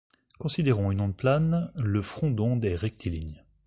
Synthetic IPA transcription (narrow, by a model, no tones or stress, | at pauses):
kɔ̃sid̪eʁɔ̃ynɔ̃d̪̚planləfχɔ̃d̪ɔ̃d̪ɛʁɛk̚t̪ʰiliɲ